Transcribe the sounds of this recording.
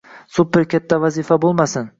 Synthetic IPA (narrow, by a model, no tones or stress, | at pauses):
sʊpːɪɾkʲat̪ʰːavazifabolˠmasɪn